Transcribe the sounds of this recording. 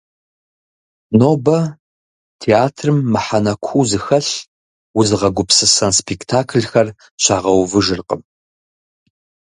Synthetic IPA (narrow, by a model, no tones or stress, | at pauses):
noːbɐ | tʰeaːtʰrɨmːɨħanɐkʷʰuːzɨxɐɬ | wʊzɨʁɐɡʷʊpsɨsɐnspʰektʰaːkʰlxɐr | ɕaːʁɐwvɨʒɨrqə̰m